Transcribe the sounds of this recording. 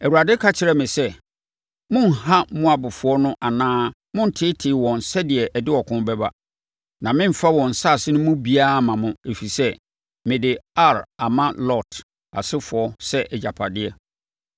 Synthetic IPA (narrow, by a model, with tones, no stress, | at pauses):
ɛ˨wu˨a˨dɪ˦kʰa˦t͡ɕʰɪ˨ɾɛ˦mɪ̃˨sɛ˦ | mʊ̃˦n˨ha˦mʊ̃˦a˨bʊ˨fʊ˨˦ɔ˦nʊ̃˦ʔa˨nãː˦ | mʊ̃˦n̩˨tʰɪː˦tʰɪː˨wɔ̃˨n˨sɛ˦dɪ˨ɛ˨ʔdɪ˦ɔ˨kʰʊ̃˦m˦bɛ˦ba̰˦ | nã˨mɪ̃˦m̩˨fa˦wɔ̃˨n̩˨sa˦˨sɪ˦nʊ̃˦mʊ̃˦bi˦a˦˨mã˨mʊ̃˦e˨fi˨sɛ˦ | mɪ̃˨dɪ˨a˦˨ɾa˨mã˦lɔ˦˨tʰ | a̰˨sɪ˦fʊ˨ɔ˦sɛ˦ʔɛ˨d͡ʑa˨pʰa˨dɪ˦ɛ˦